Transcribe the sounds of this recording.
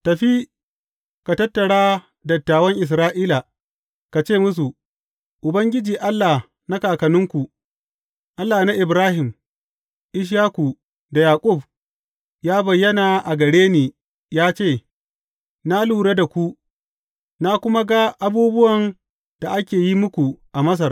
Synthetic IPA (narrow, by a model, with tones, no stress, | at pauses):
tɐ˨ɸi˦ | ka˨tɐ˦tːɐ˨ɽaː˦ | dɐ˨tːaː˨wɐ˦ŋʔɪ˨s̬ɾaː˦ʔiː˦la˨ | ka˨t͡ʃeː˦˨mʊ˦s̬u˨ | ʔʊ˨bɐ˦ŋɡʲɪ˦d͡ʒiː˨ʔa˦lːa˨h | na˦kaː˨kɐ˨nʊ˦ŋkʷu˨ | ʔa˦lːaː˨na˦ʔɪ˨bɾaː˦hɪ˨m | ʔɪ˦ʃ̬jaː˦ku˨ | da˨jaː˨kʼʊ˦˨b | jaː˦bɐ˨jːɐ˦naː˨ʔa˨ɡɐ˨ɽeː˦neː˨ | jaː˦t͡ʃeː˦˨ | na˦luː˨ɽe˦da˨kʷu˦ | na˦kʷʊ˦ma˦ɡa˦ʔa˦buː˦bʊ˦wɐ˨n | d̥a˨ʔa˦kʲeː˨ji˦mʊ˦kʷu˨ʔa˨mɐ˦s̬ɐ˨r